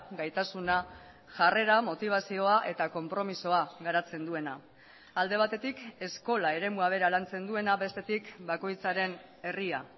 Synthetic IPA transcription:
ɡajt̪asuna | ʝare̞ɾamo̞t̪iβ̞asio̞aʔe̞t̪ako̞mpɾo̞miso̞aɣaɾat͡se̞nd̪ue̞na | ald̪e̞β̞at̪e̞t̪ike̞sko̞lae̞ɾe̞muaβ̞e̞ɾalant͡se̞nd̪ue̞naβe̞st̪e̞t̪ikbako̞jt͡saɾe̞n | e̞ria̰

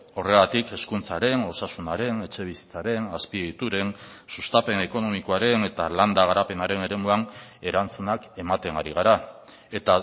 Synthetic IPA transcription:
o̞re̞ɣat̪ike̞skunt͡saɾe̞no̞sasunaɾe̞ne̞t͡ʃe̞β̞isi̥t͡saɾe̞naspiit̪uɾe̞nsust̪ape̞ne̞ko̞no̞miko̞aɾe̞ne̞t̪aland̪aɣ̞aɾape̞naɾe̞ne̞ɾe̞muane̞ɾant͡sunake̞mat̪e̞ŋaɾiɣ̞aɾa | e̞t̪a

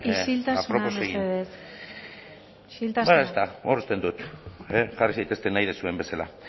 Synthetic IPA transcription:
isilt̪auɾonosesɣieðes | iʃilt̪asbaest̪aorust̪e̞nd̪ut̪eʝarisajt̪e̞st̪e̞najðesue̞mbe̞sala̰

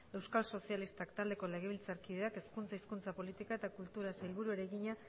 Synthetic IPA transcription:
e̞wskalso̞sialist̪akt̪ald̪e̞ko̞le̞ɣe̞β̞ilt͡saɾkiðe̞ake̞skunt͡saiskunt͡sapo̞lit̪ikaet̪akult̪uɾaselβuɾueɾeɣiɲa

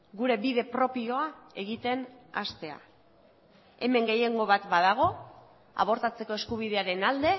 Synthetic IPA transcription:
ɡuɾe̞biðe̞pɾo̞pio̞ae̞ɣit̪e̞na̰st̪e̞a̰ | e̞me̞ŋɡe̞je̞ŋɡo̞βat̪baðaɣ̞o̞ | a̰β̞o̞ɾt̪at͡se̞ko̞e̞skuβ̞iðe̞aɾe̞nald̪e̞

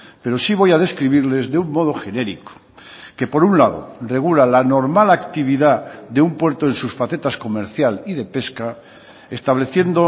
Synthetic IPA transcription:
pe̞ɾo̞siβ̞o̞jaðe̞skɾiβiɾle̞zðeumːo̞ð̞o̞xe̞ne̞ɾiko̥ | ke̞po̞ɾunlaðo̰re̞ɣ̞ulalanoɾmalakt̪iβ̞iðaðe̞umpwe̞ɾt̪oe̞nsusfaθe̞t̪asko̞me̞ɾθjaliðe̞pe̞ska | est̪aβle̞θje̞nd̪o

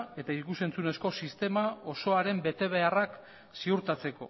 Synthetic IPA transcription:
e̞t̪aikuse̞nt͡sune̞sko̞sist̪e̞mao̞so̞aɾe̞mbe̞t̪e̞β̞e̞arak | siuɾt̪at͡se̞ko̞̰

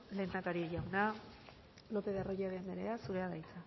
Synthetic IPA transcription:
le̞ːnd̪akaɾiʝawna | lo̞pe̞ðaroʝaðeand̪eɾeasuɾe̞aðajt͡sa

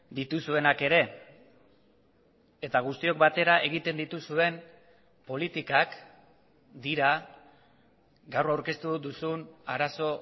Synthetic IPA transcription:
d̪it̪usue̞nake̞ɾe̞ | e̞t̪aɣ̞ust̪io̞kbat̪e̞ɾaʔe̞ɣ̞it̪e̞nd̪it̪usue̞n | po̞lit̪ikak | d̪iɾa | ɡawrawɾke̞st̪ud̪usunaɾaso̞

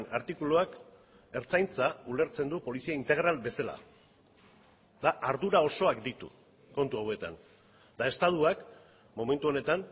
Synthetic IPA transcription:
naɾt̪ikuluak | e̞ɾt͡sajnt͡saule̞ɾt͡se̞nd̪upo̞lisiaint̪e̞ɣ̞ɾalbe̞sala̰ | d̪aʔaɾðuɾao̞so̞akd̪it̪ṵ | ko̞nt̪uawe̞t̪a̰n | d̪ae̞st̪að̞uak | mo̞me̞nt̪uo̞ne̞t̪an

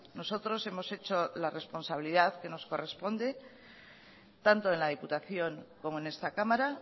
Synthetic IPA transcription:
no̞so̞t̪ɾo̞se̞mo̞se̞t͡ʃo̞lare̞spo̞nsaβ̞iliðaðke̞no̞sko̞re̞spo̞nd̪e̞ | t̪ant̪o̞e̞nlað̞iput̪aθjo̞ŋko̞mo̞e̞ne̞st̪akamaɾa

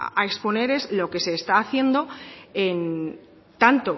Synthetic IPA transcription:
aekspo̞neɾe̞zlo̞ke̞se̞ːst̪aːθje̞nd̪o̞e̞n | t̪ant̪o̞

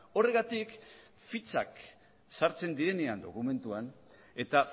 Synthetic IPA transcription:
o̞re̞ɣat̪ik | fit͡sa̰k | saɾt͡se̞nd̪iɾe̞ne̞and̪o̞̰kume̞nt̪uan | e̞t̪a

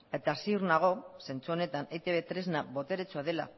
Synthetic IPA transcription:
e̞t̪aːsiuɾnaɣ̞o̞se̞nt͡suo̞ne̞t̪anet̪eβet̪ɾe̞znaβo̞t̪e̞ɾet͡suaðe̞la̰

